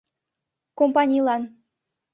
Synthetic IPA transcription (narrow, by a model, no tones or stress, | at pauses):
kompanʲijlˠɑn